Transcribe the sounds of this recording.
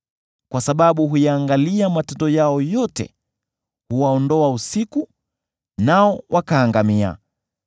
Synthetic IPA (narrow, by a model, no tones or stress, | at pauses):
kwasaɓaɓuɦujaːŋɡaliamatɛntdɔjaɔjɔtɛ̰ | huwaɔndɔausiku | naɔwʔakaːŋɡamia̰